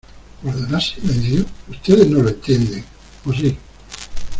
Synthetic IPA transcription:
aɾðenasinenθjoust̪eðeznoloent̪jend̪eŋ | posi

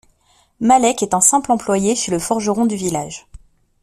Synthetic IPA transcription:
malɛkɛt̪ɛ̃sɛ̃plɑ̃plwajesiləfɔʁʒəʁɔ̃d̪yvilaʒ

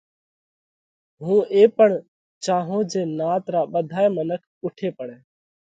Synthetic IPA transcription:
ɦũːeːpəɳ | t͡ʃaːɦõːd͡ʒẽːnaːt̪ɾaːɓəd̪ʱaːeːmənəkʰʊʈʰeːpəɽẽː

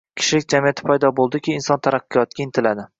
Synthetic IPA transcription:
kʲʰɪ̥ʃɪlɪk̚ʲd͡ʒamijat̪ʰɪ̥pʰajd̪ɒbolˠd̪ɪkʲɪːnsɒnt̪ʰaɾaqːɨjɒt̪ɡʲaɪnt̪ʰɪlad̪ɪ

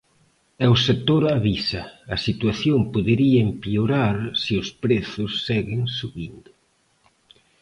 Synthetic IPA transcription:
ɛwset̪oɾaβisɐɐsit̪waθjompoðeɾiɐempioɾaɾsiʊspɾeθʊsːɛɣɪŋsuβind̪ʊ

